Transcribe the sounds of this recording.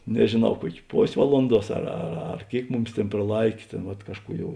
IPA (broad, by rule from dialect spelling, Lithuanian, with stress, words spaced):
nʲɛʒʲeːˈnɐʊ ˈkuɔkʲ ˈpoːsʲ ˈʋɑːlˠʊnˌduɔs ɐr ɐr ˈɐr ˈkʲeːɪk ˈmʊˌmʲɪs ˈtʲeːn prɐˈlˠɐɪkʲeː ˈtʲeːn ʋɐt ˈkɑːʃˌkuː ˈjɛʊ